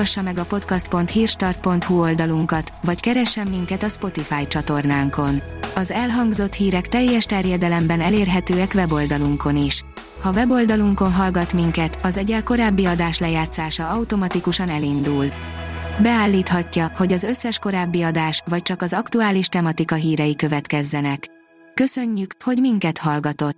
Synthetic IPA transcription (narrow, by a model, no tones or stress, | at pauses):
ʃːɒmɛɡɒpo̞t̪kɒst̪̚po̞nt̪hiːrʃt̪ɒrt̪̚po̞nt̪huo̞ld̪ɒluŋkɒt̪vɒckɛɾɛʃːɛmːiŋkɛt̪ɒspo̞t̪ifaːjt͡ʃɒt̪o̞rnaːŋko̞nɒzɛlɦɒŋɡzo̞t̪hiːɾɛkt̪ɛjːɛʃt̪ɛrjɛd̪ɛlɛmbɛnɛleːrɦɛt̪øːɛkvɛbo̞ld̪ɒluŋko̞niʃ | hɒvɛbo̞ld̪ɒluŋko̞nɦɒlɡɒt̪miŋkɛt̪ɒzɛɟɛlko̞ɾaːbːiɒd̪aːʃlɛjaːt̪saːʃɒɒwut̪o̞mɒt̪ikuʃɒnɛlind̪ul | bɛaːlːiːt̪hɒcːɒho̞ɟɒzø̞sːɛʃko̞ɾaːbːiɒd̪aːʃvɒc̚t͡ʃɒkɒzɒkt̪uaːliʃt̪ɛmɒt̪ikɒɦiːɾɛjikøvɛt̪kɛzːɛnɛkː | ø̞sø̞ɲːykho̞ɟmiŋkɛt̪hɒlɡɒt̪o̞t̪ː